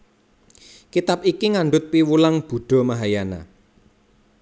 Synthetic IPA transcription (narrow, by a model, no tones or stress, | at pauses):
kit̪apikiŋaɳɖʊt̪̚piwulaŋb̥ṳɖ̥ɔ̤maɦajana̰